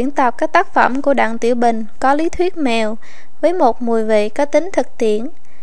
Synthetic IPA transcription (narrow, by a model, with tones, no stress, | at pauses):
i˧˩ənt̪ə˨˩p̚kaː˦˥k̚t̪aː˦˥k̚fə̰˧˩mku˧˩əɗa̰ː˧˨ŋt̪ḭ˧˩əwɓï˨˩ŋ̟kɔ˨˦li˨˦t̪ʰwi˦˥ət̚mɛ˨˩w | vəː˨˦jmo˨˩t̚mu˨˩əjvḛ˧˨kaː˨˦˥k̚t̪ï˨˦ŋ̟t̪ʰɨ˨˩k̚t̪i˧˩˨ən